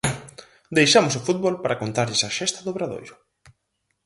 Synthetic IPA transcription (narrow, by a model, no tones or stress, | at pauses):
d̪ejʃamʊs̬ofut̪̚bolpaɾakont̪aɾʎɪsaʃɛst̪ɐðoβɾaðo̰jɾʊ